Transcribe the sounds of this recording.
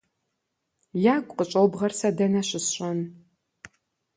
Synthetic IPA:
jaːkʷʼqət͡ʃʼobʁɐrsɐdɐnɐɕɪsɕʼɐn

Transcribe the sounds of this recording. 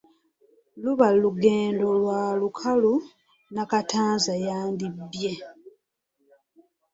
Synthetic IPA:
luβalːuɡe̞ːndo̞lwaːlukʰalu | nakataːnzajaːndibːje̞

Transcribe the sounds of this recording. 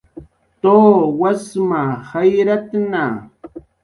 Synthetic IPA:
t̪oːwasmahajɾat̪na

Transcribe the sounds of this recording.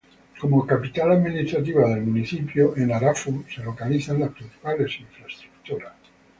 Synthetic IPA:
ko̞mokapit̪alaðminist̪ɾat̪̬iβaðe̞lmuniθipjoʔenaɾafuse̞lo̞kaliθanlaspɾinθi̥palesiɱfɾaest̪ɾu̥kt̪uɾas

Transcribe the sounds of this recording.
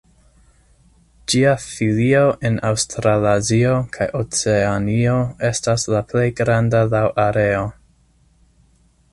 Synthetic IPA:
d͡ʒiafilio̞ʔenawstɾalazio̞kʰajʔot͡seanio̞e̞staslaple̞jɡɾandalawʔaɾe̞o̞

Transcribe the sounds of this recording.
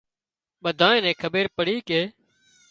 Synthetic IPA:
ɓəd̪ʱaːẽːnɛ̃ːkʰəɓeːɾpəɽiːkeː

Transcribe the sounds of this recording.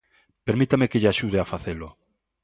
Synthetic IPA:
peɾmit̪amekeʎaʃuð̞eafaθelo

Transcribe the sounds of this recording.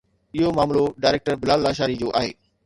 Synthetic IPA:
ɪɦomaːmloɖaːɪɾeːk̚ʈəɾbɪlaːlːaːʃaːɾid͡ʑoːʔaːɦḛː

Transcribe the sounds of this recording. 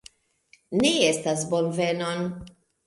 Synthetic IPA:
neestasbonve̞non

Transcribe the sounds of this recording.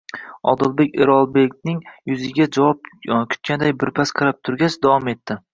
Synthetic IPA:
ɒ̰d̪ɪlˠbekʲeɾɒlˠbekʲnɪŋjʊzɪɡʲad͡ʒavɒp̚kʲʰʊ̥t̪̚kʲand̪ajbɪɾpʰasqʰɑɾap̚t̪ʰʊɾɡʲasd̪awɒme̞t̪ʰːɪ

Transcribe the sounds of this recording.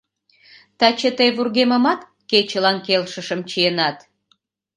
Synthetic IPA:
t̪ɑt͡ɕət̪əjβurɣeməmɑt̪ | ket͡ɕəlɑnkelʃəʃəmt͡ɕijenɑt̪

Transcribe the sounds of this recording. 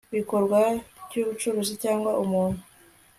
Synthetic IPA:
βiko̞ɾɡwavjuːβut͡ʃuɾozicaːŋɡwaʔumuːn̤̥u

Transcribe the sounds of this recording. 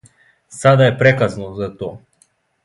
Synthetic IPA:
sad̪aɛpɾɛkaznɔzat̪ɔa

